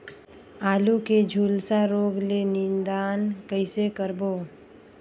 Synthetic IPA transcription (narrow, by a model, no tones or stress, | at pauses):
aːluked͡ʒʱuːlsaɾoːɡlenɪ̃nd̪aːnkəɪsekəɾboː